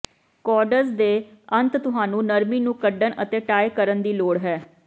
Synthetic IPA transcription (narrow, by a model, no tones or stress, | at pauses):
kɔːɖəɾzd̪eːə̃nt̪t̪ʊɦaːnũːnəɾmiːnũːkəɖənə̰t̪eːʈaːjkəɾənd̪iːloːɽɦɛː